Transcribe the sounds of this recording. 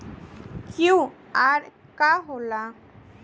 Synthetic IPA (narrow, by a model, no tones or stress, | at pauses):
kũaɾkaɦola